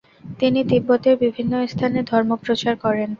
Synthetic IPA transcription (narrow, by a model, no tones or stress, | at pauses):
t̪inid̪ibːot̪eɾbibʱinːost̪ʰaned̪ʱɔɾmopɾot͡ɕaɾkɔɾen